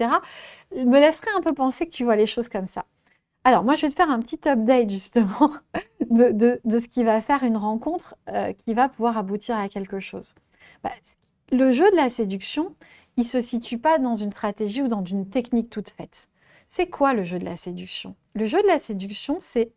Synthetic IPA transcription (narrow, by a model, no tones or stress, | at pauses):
eʁaʒməlɛsʁɛɛ̃pøpɑ̃sekə̥t̪yvwaleʃozkɔmsa̰ | alɔʁmwaʒəvɛt̪əfɛʁɛ̃pət̪it̪ɔp̚d̪ɛjʒyst̪əmɑ̃d̪əd̪əd̪əsə̥kʲivafɛʁynʁɑ̃kɔ̃t̪χø̰kʲivapuvwaʁabut̪ʰiʁakʲɛlkəʃo̰ːz | ba̰sə̥ | ləʒød̪əlased̪yksjɔ̃ | ilsəsit̪ypad̪ɑ̃zynst̪χat̪eʒiud̪ɑ̃zynt̪ɛknik̚t̪ut̪fɛt̪ | sɛkwaləʒød̪əla̰sed̪yksjɔ̃ | ləʒød̪əlased̪yksjɔ̃sɛ